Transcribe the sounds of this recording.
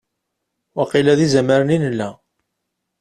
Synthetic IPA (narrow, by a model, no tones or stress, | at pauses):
wɑqilæðizæməɾəninəlːæ